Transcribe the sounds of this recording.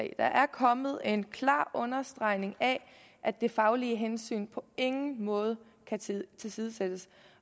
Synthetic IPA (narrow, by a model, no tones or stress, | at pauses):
ɛ̰d̥ɑ̈ʔæɐkʰɒ̽mð̞̩ˠe̝nkʰlɑ̰̈ːʔɔ̽nɐsd̥ʁɑ̈ɪ̰ne̝ŋæ | ʔæd̥e̝fɑ̈ʊliəɦensy̰ːnpʰɒ̽e̝ŋn̩mɔ̽ːð̞̩ˠəkʰæt͡sʰe̝lsiːð̞ˠəsed̥əs